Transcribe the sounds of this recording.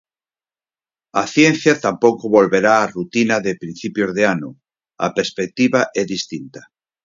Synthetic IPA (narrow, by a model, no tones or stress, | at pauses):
aθjenθjat̪ampokoβolβeɾaːrut̪inaðepɾin̟θipjozðeanʊ | a̰peɾspek̚t̪iβaʔɛðist̪int̪ḁ